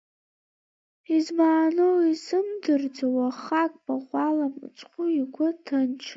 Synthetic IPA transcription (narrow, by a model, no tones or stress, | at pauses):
izmaːnowisɨmdɨrd͡zawaχakʼbʰʼaχʷalam̰t͡sʼqʷʊiɡʷʊtʰant͡ʃʰ